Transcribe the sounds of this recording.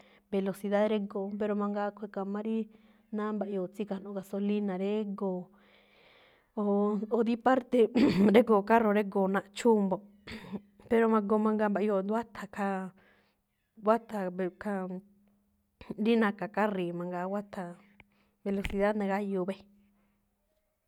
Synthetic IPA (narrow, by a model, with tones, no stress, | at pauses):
be˧lo˧si˧ða˦ðɾe˦ɡo˧˨pe˧ɾo˧mã˧ŋɡa˧kʷe˧˨ka˧mã˦ɾi˦ | nã˦mba˧˨i˧o˧˨t͡si˦ka˧˨nõ˧˦ka˧so˧li˦nã˨ɾe˦ɡo˨ | o˧o˧ði˦pa˦ɾt̪e˧ɾe˦ɡo˨ka˦ro˧ɾe˦ɡo˨nã˧ʔt͡ʃu˦mbo˧ | pe˧ɾo˧mã˧ɡo˧mã˧ŋɡa˧mba˧ʔo˧˨nd̪a˦t̪ʰa˧ka˧ | wa˦t̪a˨˧ka˧ | ɾi˦nã˧ka˨ka˦ri˨mã˧ŋɡa˧wʷa˦t̪ʰa˧ | βe˧lo˧si˧ða˦nẽ˧ɣa˦ju˧˨βe˦